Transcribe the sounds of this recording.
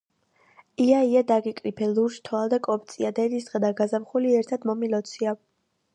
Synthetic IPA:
iaiad̪aɡikʼɾipʰɛluɾʃt̪ʰɔald̪akʼɔp̚t̪sʼiad̪ɛd̪isd̪ʁɛd̪aɡazamχuliɛɾt̪ʰad̪mɔmilɔt̪sʰia

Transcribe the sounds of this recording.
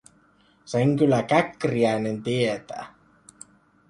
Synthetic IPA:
seŋkylːækækriæinent̪iet̪æ̰ː

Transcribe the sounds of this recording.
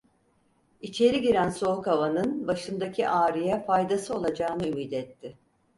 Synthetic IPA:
it͡ʃʰe̞ɾiɟiɾænso̞hkavanɯnbaʃɯnd̪acʰiʔaːɾijɛfajd̪asɯo̞lˠad͡ʒaːnɯymiːd̪ɛt̪ʰːɪ

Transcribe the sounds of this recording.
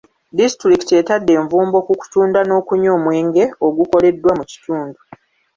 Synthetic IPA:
disi̥tɾiktietadːe̞ːɱvuːmbo̞kuku̥tuːndano̞ːkuɲo̞ːmwe̞ːŋɡe̞o̞ɡuko̞le̞dːwamuci̥tuːndu

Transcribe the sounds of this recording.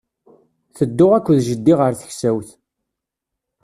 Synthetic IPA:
θəd̪ːʊʁækʷːðʒəd̪ːiʁəɾθə̥çsæwθ

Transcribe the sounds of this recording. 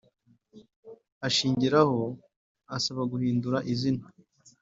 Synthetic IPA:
aʃiːɲɟiɾaho̞ | asaβaɡuhiːnduɾaʔizina

